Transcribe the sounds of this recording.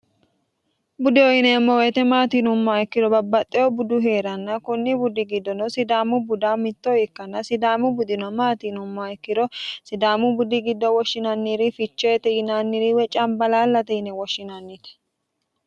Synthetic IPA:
bʊd̪ɪɔjɪnɛmːɔwɛt̪ɛmaːt̪inʊmːɔajɪkːɪd̪ɔbɐbːɐt̪ʼːɛjɔbʊd̪ʊɦeːɾɐnːɐkʊnːibʊd̪ɪɡɪd̪ːɔnɔsɪd̪aːmʊbʊd̪amɪt̪ːɔɪkːɐnːɐsɪd̪aːmʊbʊd̪ɪnɔmaːt̪iːnʊmːɔaɪkːɪd̪ɔsɪd̪aːmʊbʊd̪ɪɡɪd̪ːɔwɔʃːɪnɐnːiːɾɪfɪt͡ʃːɔjɛt̪ɛjɪnaːnːiɾiwɛt͡ʃʼɐmbɐlaːlːɐt̪ɛɪnɛwɔʃːɪnɐnːɪt̪ɛ̥

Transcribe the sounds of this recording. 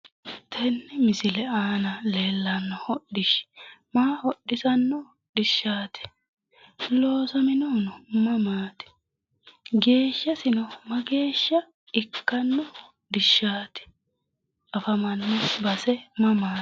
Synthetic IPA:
t̪ʰɛnːɛmɪsɪlɛaːnɐle̞ːlːɐnːɔhɔɗɪʃmaːhɔɗːɪsɐnːɔ | ɗɪʃːaːt̪ɪ̥ | loːsɐmɪnonɔmɐmaːt̪ɪ̥ | ɡe̞ːʃːɐsɪnɔmɐɡe̞ːʃːɐ | ɪkːɐnːɔ | dɪʃːaːt̪ɪ̥ | ʔɐfɐmɐnːɔbɐsɛmɐmaː

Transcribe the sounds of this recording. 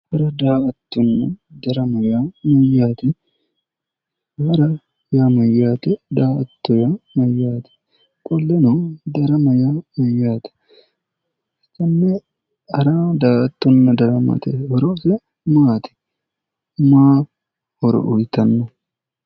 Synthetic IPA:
hɐɾɐd̪aːʔɐt̪ːɔnːɐd̪ɐɾɐmɐjaːmɐjːaːt̪ɪ | ɡɐɾɐ | jaːmɐjːaːt̪ɛd̪aːʔɐt̪ːɔjamɐjːaːt̪ɪ̥ | kʼɔlːɛnod̪ɐɾɐmɐjamɐjːaːt̪ɛ̥ | st̪ːɐnːɛ | ɐɾaːd̪aːʔɐt̪ːɔnːɐd̪ɐɾɐmɐ̰t̪ɛhɔɾɔsɛ | maːt̪ɪ̥ | maː | hɔɾɔ̰ʔʊjt̪ɐnːɐ

